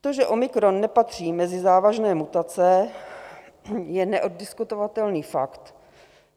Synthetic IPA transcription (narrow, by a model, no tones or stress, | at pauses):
t̪oʒɛʔomɪkɾonːɛpat̪r̝̥iːmɛzɪzaːvaʒnɛːmut̪at͡sɛ | jɛnɛʔod̚dɪskut̪ovat̪ɛlniːfa̰kt̪